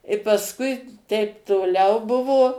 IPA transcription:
ɪ pɐsˈkʊɪ ˈtʲɛɪp toːˈlʲɛʊ ˈbʊʋoː

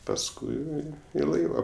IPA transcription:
pɐsˈkʊɪ ɪ ˈlˠɐɪʋɐ

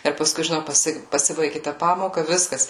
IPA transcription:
ɪr pɐˈskʊɪ ʒʲɪˈnɐʊ pɐˈsʲɪ pɐˈsʲɪbɐɪɡʲeː tɐ ˈpɑːmoːkɐ ˈʋʲɪskɐs

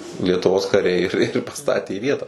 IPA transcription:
lʲiɛtʊˈʋoːs kɐˈrʲɛɪ ɪr ɪr pɐˈstɑːtʲeː ɪ ˈʋʲiɛtɑː

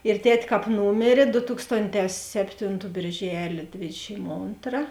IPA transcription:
ɪr ˈtʲɛtʲ ˈkɑːp ˈnuːmʲeːrʲeː doː ˈtʊkstoːnʲˌtʲɛː ˈsʲæːpʲtʲɪnˌtuː bʲeːrʲˈʒʲæːlʲeː ˈdʲʋʲeːdʲɛʃʲɪm ˈoːntrɐ

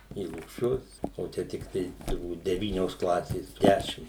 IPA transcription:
iː lˠʊkˈʃʲʊs oː ˈt͡ʃʲɛ tʲɪkˈtɐɪ tʊrˈbuːt dʲɛˈʋʲiːnʲoːs ˈklˠɑːsʲeːs ˈdʲæːʃʲɪm

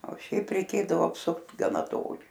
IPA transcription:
oː ˈʃʲɛɪp rʲɛɪˈkʲeːdɐʋoː ɐpˈsʊkt ɡɐˈnɐ ˈtoːlʲɪ

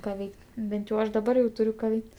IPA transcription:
ˈkɑː ˈʋʲɛɪkʲtʲ ˈbʲɛnt jɛʊ ˈɐʃ dɐˈbɐr jɛʊ ˈtʊrʲʊ kɐ ˈʋʲɛɪkt

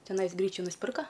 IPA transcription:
tʲɛˈnɐɪs ˈɡrʲiːt͡ʃʲʊ nʊsʲˈpʲɪrkɐ

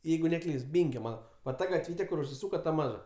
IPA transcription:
ˈjɛɪɡʊ nʲɛˈklʲiːst ˈbʲiːŋʲkʲoː ˈmɑːnɐ ʋɐ ˈtɐ ɡɐtʲˈʋʲiːtʲɛ kʊr ʊʃʲsʲɪˈsuːkɐ tɐ ˈmɑːʒɐ

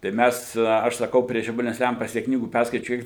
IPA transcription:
tɐɪ ˈmʲæs ɐʃ sɐˈkɐʊ pʲrʲiɛ ʒʲɪbɐˈlʲɪnʲɛs ˈlʲɛmpɐs ˈtʲiɛk ˈknʲiːɡuː ˈpʲɛrskɐɪt͡ʃʲɛʊ ɪ

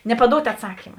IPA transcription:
nʲɛpɐˈdoːʊtʲ ɐtˈsɑːkʲɪmɐ

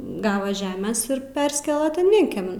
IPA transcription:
ˈɡɑːʋɐ ˈʒʲæːmʲeːs ɪr ˈpʲɛrʲsʲkʲɛlˠɐ tɐn ˈʋʲiɛŋʲkʲɛmʲɪn

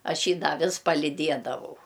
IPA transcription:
ˈɐʃ ˈjiː ˈdɐ ˈʋʲɪs pɐlʲiːˈdʲiɛdɐʋɐʊ

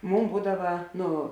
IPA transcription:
ˈmuːm ˈbuːdɐʋɐ ˈnʊ

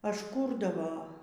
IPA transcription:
ɐʃˈkuːrdɐʋoː

